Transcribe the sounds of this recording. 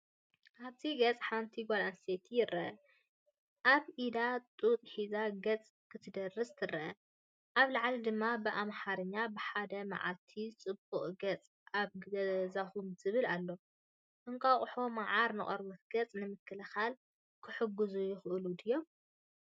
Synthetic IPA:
ʔaβt̪ʰiɡɐt͡sʼħant̪ʰiɡalanset̪ʰijɪɾʔɐʔɐ | ʔaβʔid̪at̪ʼut̪ʼħizaɡɐt͡sʼ | kʰɨt̪ʰɨd̪ɐrɨst̪ʰɨrɐʔɐ | ʔaβlaʕlid̪ɨmːabɨʔamħaɾɨɲːabɨħad̪ɐma̰ʕa̰lt̪ʰit͡sʼɨbuχʼɡɐt͡sʼ | aβɡɐzaxumz̥ɨβɨlalːo̞ | ʔɨŋkʰʼaχʼʊħo̞maʕaɾnɨχʼoɾmɐt̪̚ɡ̥ɐt͡sʼnɨmɨkʰːɐlɐxal | kʰɨħɨɡuzujɪxʔɨlud̪ɨjːom

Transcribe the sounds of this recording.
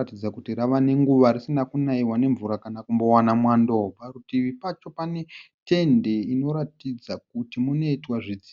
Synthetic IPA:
atid͡zakutiɾaʋane̞ŋɡuʋaɾisinakunaiwane̞ɱvuɾakanakumbo̞wanamwandobarutiʋipat͡ʃo̞pane̞te̞nde̞ino̞ɾatid͡zak̚utimuno̞itwaʐid͡zi

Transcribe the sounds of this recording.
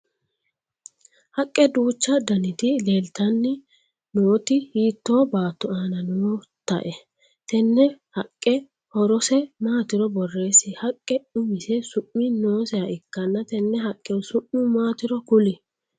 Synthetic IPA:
hɐkʼːɛd̪uːt͡ʃːɐd̪ɐnɪt̪ɪle̞ːlt̪ɐnːɪ | noːt̪ɪhiːt̪ːo̞ːbaːt̪ːʊaːnɐno | t̪ɐ̰ʔɛ | t̪ɛnːɛhɐkʼːɛ | hɔɾɔsɛmaːt̪ɪɾɔbɔrːe̞ːsɪhɐkʼːɛʊmɪsɛsʊʔːɪno̞ːsɛɐaʔɪkːɐnːɐt̪ɛnːɛhɐkʼːɛnsʊʔːɪmaːt̪ɪɾɔkʊlɪ

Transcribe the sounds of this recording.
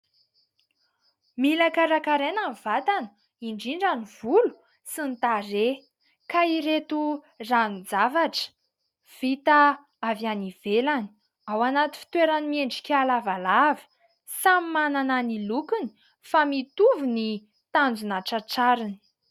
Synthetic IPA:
milakaɾakaɾenamvat̪anə̥ | iɳɖ͡ʐiɳɖ͡ʐaniv̥ulu̥ | sint̪are | kaiɾet̪u | rand͡zavaʈ͡ʂə̥ | v̥it̪a | avaniv̥elani̥ | awanat̪i̥fi̥t̪weɾanimeɳɖ͡ʐi̥kʲalavalavi̥ | samimanananilukuni̥ | famit̪uvini | t̪and͡zunaʈ͡ʂaʈ͡ʂaɾini̥

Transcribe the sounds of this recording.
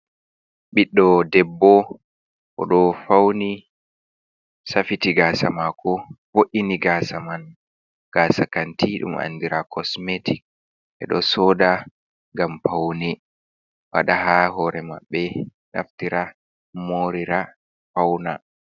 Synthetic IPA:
ɓiɗːɔdɛbːɔ | kɔ̰ɗɔfawni | safitiɡaːsamakʰɔboʔiniɡasaman | ɡ̥aːsakantiɗṵma̰ndiɾakʰɔsmetik̚ | ʔɛɗɔsɔda | ŋɡampawni | wa̰ɗahaɦɔɾɛma̰ɓːɛ | na̰ftiɾa | moɾiɾa | fawna̰

